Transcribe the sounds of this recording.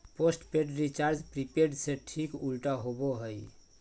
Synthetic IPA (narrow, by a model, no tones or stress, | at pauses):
posʈpeɖɾit͡ʃaɾd͡ʒpɾipeɾɖseʈʰikulʈaɦoboɦəj